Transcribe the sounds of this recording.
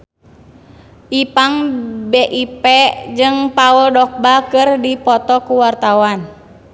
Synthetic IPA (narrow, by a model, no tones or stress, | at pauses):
ʔipaŋbeʔipɛd͡ʒɨŋpaɔldɔk̚bakɨrdipɔt̪ɔkuwart̪awan